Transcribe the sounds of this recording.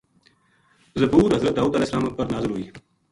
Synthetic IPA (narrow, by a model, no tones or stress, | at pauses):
zɐbuːɾɦɐzɾət̪̚d̪aːuːd̪əleːhsəlaːmɐpɐɾnaːzɪɾɦuiː